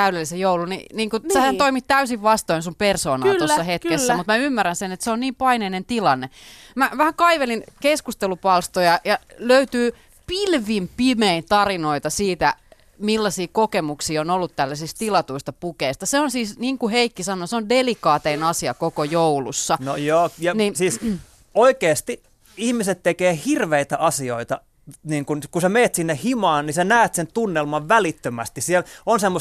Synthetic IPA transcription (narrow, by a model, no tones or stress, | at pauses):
t̪æydelːisejjoulunḭniːŋkusehænt̪oimit̪t̪æysiʋʋɑst̪oinsumpersoːnɑ̰lːt̪osːɑhet̪kesːæmut̪mæymːærːænsenet̪seonniːmpɑineinent̪ilɑnːe | mæʋæhækɑiʋelinkeskust̪elupɑlst̪ojɑjɑløyt̪yː | pilʋimpimeint̪ɑrinoit̪ɑsiːt̪æ | milːɑsiːkokemuksiːonolːut̪tælːæsist̪ilɑt̪uist̪ɑpukeist̪ɑseonsiːsniːŋkuheikːisɑnoseondelikɑːt̪einɑsiɑkokojoulṵsːɑnojoːjɑninsiːs | oikeːst̪i | ihmiset̪t̪ekeːhirʋeit̪æʔɑsioit̪ɑ | niːŋkunkusemeːt̪sinːehhimɑːnnisenæːt̪sent̪unːelmɑʋʋælit̪ːømæst̪isielonsemːo